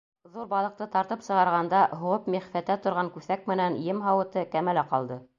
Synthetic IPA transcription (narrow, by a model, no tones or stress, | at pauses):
ðuɾbɑlˠɤ̆q̚t̪ɤt̪ɑɾt̪ɤpsɤ̆ʁɑɾʁɑnd̪ɑɦoʁɤpmiχfæt̪æt̪ŏɾʁɑŋkʉθæk̚mɘ̆nænjɘmɦɑwɤ̆t̪ɤkæmælæqɑlˠd̪ɤ